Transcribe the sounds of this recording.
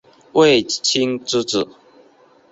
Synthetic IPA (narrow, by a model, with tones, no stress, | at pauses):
wʔe˥˨ɪt͡ɕʰi˦˥ŋʈ͡ʂ̩˥t͡s̩˨˩˦